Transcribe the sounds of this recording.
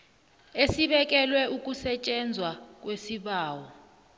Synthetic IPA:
esiɓɛk̬ʼɛlwɛʔuk̬ʼusɛt͡ʃʼɛnd͡zʱwak̬ʼwesiɓaːwɔ

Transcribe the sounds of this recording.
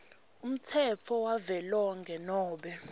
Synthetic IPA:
um̩tʰɛt͡fʰɔwavɛlɔŋɡʱɛnɔːɓɛ

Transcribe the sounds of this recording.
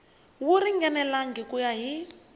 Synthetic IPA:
wuɾiŋɡɛnɛlaŋɡikujaɦi

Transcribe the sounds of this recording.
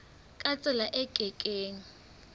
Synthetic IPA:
kʼat͡sʼɪlaʔɛkʼɛkʼeːŋ̩

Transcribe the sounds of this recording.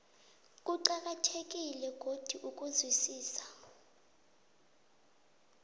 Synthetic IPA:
k̬ʼuǃak̬ʼatʰek̬ʼilɛɡ̥ʱod̥ʱiʔukʼuzwisiːsḁ

